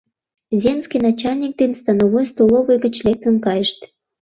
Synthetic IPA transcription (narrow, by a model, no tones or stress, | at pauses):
zʲenskijnɑt͡ɕɑlʲnʲik̚d̪enst̪ɑnoβojst̪olˠovəjɣə̆t͡ɕlʲek̚t̪ə̆nkɑjəʃt̪